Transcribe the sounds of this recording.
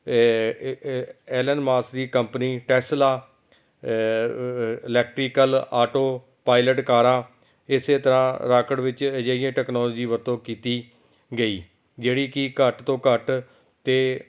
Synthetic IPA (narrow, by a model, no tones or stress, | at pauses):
ɛːlənmaːsd̪iːkəmpniːʈɛːslaː | ɪlɛːk̚ʈɾiːkəlaːʈoː | paːɪləʈkaːɾãː | ɪseːt̪əɾãːɾaːkəɽʋɪt͡ʃd͡ʒeːɪjãːʈɛːknɔːlɔːd͡ʒiːʋəɾt̪õːkiːt̪iː | ɡəiː | d͡ʒeːɽiːkɪkəʈt̪õːkəʈ | t̪eː